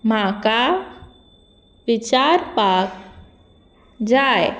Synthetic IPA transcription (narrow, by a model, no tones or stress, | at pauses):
mãka | ʋɪt͡ʃaɾpak | d͡ʒaj